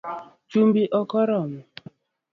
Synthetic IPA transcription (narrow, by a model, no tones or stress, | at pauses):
t͡ʃumbiʔɔkɔɾɔmu